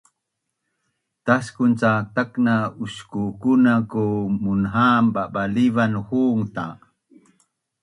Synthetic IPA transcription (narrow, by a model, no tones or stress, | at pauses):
t̪askunt͡sat̪aknauskukunakumunɦambabalivanhuːŋt̪a